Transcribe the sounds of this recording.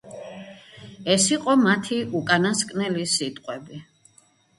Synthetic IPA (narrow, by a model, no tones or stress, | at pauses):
ɛsiqʼɔmat̪ʰiʔukʼanaskʼnɛlisit̪ʼqʼwɛbi